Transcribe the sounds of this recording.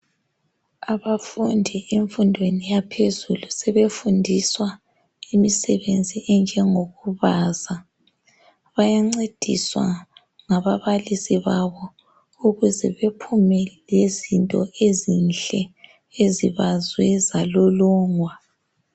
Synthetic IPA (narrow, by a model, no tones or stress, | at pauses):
aβafundʱieɱfundʱwenijapʰezulusɛβefundʱiswa | imisɛβend͡zʱiɛnd͡ʒʱɛŋoɣuβaːza | βajaŋ͡ǀed̥ʱḭswa̰ | ŋaβaβalisiβaβɔ | uɣuzɛβepʰumɛlezintʼɔʔezinɬɛ | eziβazwɛzalɔlɔːŋwa